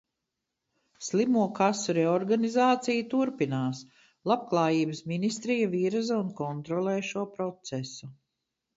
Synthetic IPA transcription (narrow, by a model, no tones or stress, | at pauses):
slimuɔkasɔɾɛɔɾɡanizaːt̪sijut̪uɾpinaːs | lˠab̚klˠaːjiːbəsminist̪ɾijaviːɾazaunkɔnt̪ɾɔlˠɛːʃuɔpɾɔt̪sɛsu